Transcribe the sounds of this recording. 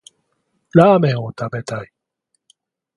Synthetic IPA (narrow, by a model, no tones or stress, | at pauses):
lamɛõt̪abɛt̪aj